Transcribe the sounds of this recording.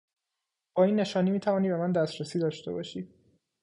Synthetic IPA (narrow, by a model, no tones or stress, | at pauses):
b̥ɒːiːnːe̞ʃɒːniːmiːt̪ʰævɒːniːbe̞mænd̪æst̪ɾæsiːd̪ɒːʃt̪e̞bɒːʃiː